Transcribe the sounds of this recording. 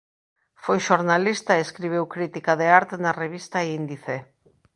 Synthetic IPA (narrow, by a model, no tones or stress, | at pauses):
fojʃoɾnalist̪aeeskɾiβ̞ewkɾit̪ikaðeaɾt̪enareβ̞ist̪aeind̪iθe